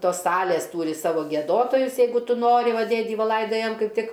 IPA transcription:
ˈtoːs ˈsɑːlʲeːs ˈtuːrʲɪ ˈsɑːʋoː ɡʲiɛˈdoːtoːjʊs ˈjɛɪɡʊ ˈtʊ ˈnoːrʲɪ ˈʋɐ ˈdʲeːdʲiː ˈʋɐ ˈlˠɐɪdɐjɛm ˈkɐɪp ˈtʲɪk

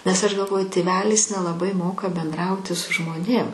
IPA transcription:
nʲɛs ɐʃ ɡɐlˠˈʋoːjʊ tʲeːˈʋʲæːlʲɪs nʲɛlˠɐˈbɐɪ ˈmoːkɐ bʲɛnˈdrɐʊtʲɪ sʊ ʒmoːˈnʲeːm

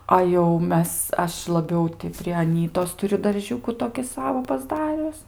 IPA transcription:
ɐ jɛʊ ˈmʲɛs ˈɐʃ lˠɐˈbʲɛʊ tʲɪ pʲrʲɪ ɐˈnʲiːtoːs tʊˈrʲʊ dɐrʲˈʒʲuːkʊ toːkʲɪ ˈsɑːʋoː pɐzˈdɑːrʲʊs

